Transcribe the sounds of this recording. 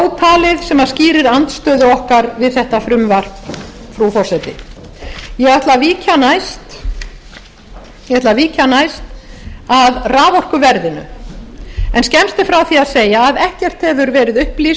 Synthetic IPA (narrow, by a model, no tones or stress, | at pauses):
wt̪ʰaːlɪðsɛmaðsciːɾɪɾant̪st̪œːðʏɔhkaɾvɪðθɛht̪afɾʏmvar̥p | fɾufɔr̥sɛt̪ɪ̰ | jɛɣaht̪laviːcanajst̪ | jɛaht̪laviːcanajst̪aðraːvɔr̥kʏvɛɾðɪnʏ̰ | ɛnscɛmst̪ɪfɾawθiaðseːjaːðɛhcɛr̥t̪hɛvʏɾvɛːɾɪðʏhplis